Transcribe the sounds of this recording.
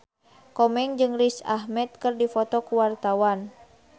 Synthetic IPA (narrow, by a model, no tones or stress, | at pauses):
kɔmɛŋd͡ʒɨŋrisahmɛt̪̚kɨrdifɔt̪ɔkuwart̪awan